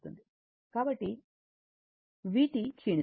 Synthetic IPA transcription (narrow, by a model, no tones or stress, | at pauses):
t̪und̪i | kaːbɐʈːi | ʋiːʈit͡ʃʰiːɳi